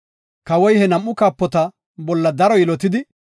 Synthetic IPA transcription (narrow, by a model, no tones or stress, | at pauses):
kɐwɔjhɛnɐmʔːʊkaːpːɔt̪ɐ | bɔlːɐd̪ɐɾɔjɪlɔt̪ɪd̪ɪ